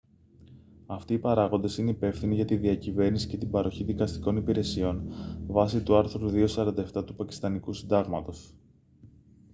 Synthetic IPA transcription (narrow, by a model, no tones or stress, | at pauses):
ɐft̪iːpɐɾɐɣo̞nd̪e̞sineipe̞fθiniʝɐt̪iðiɐcive̞ɾnisi̥ce̞t̪ibɐɾo̞çiðikɐst̪i̥ko̞nipiɾe̞sio̞nvɐsit̪uɐɾθɾuðio̞sɐɾɐnd̪ɐeft̪ɐt̪upɐci̥st̪ɐnikusind̪ɐɣmɐt̪o̞s